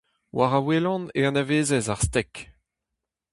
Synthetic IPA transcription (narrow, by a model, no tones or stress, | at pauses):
wʔaʁawelɑ̃neɑ̃naveːzɛzaʁst̪ɛk